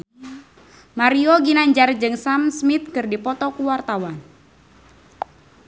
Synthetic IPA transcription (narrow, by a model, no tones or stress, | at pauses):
maɾioɡinaɲd͡ʒard͡ʒɨŋsamsmit̪̚kɨrdipɔt̪ɔkuwart̪awan